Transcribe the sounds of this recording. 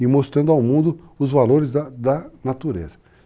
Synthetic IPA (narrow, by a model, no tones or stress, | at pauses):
ɪmost̪ɾɐ̃nd̪ʊawmũnd̪ʊ | ʊzvaloɾɪzd̪ɐd̪ɐnat̪uɾḛzɐ̥